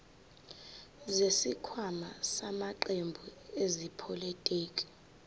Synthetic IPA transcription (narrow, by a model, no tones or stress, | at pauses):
zesikʰwamasamaǃembʱuezipʰɔlitʼiːkʼi̥